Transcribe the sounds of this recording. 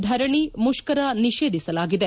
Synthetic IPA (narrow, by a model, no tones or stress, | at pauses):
d̪ʱɐɾɐɳimuʃkɐɾɐniʃeːd̪ʱisɐlaːɡid̪e